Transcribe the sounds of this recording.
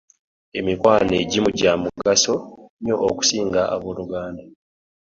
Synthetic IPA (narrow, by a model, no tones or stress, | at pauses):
e̞mikwaːneɟimuɟamuɡaso̞ɲjo̞ʔːku̥siːŋɡaa̰βoːluɡaːnda